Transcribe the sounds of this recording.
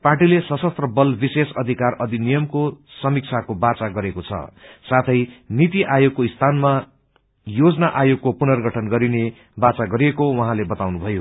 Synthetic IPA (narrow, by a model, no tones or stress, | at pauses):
parʈilesʌsʌst̪rʌbʌlbisesʌd̪ʱikarʌd̪ʱinijʌmkosʌmik̚t͡sʰakobat͡saɡʌɾekot͡sʰʌ̰sat̪ʰʌjnit̪iʔajoɡ̚koist̪ʰanma | jod͡zʌnaʔajoɡ̚kopunʌrɡʱʌʈʰʌnɡʌɾine | bat͡saɡʌɾijekowʌ̃ɦãlebʌt̪awnubʱʌjo